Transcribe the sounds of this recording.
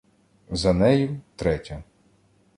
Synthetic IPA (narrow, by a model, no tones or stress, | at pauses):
zɐnɛjʊt̪ɾɛtʲɐ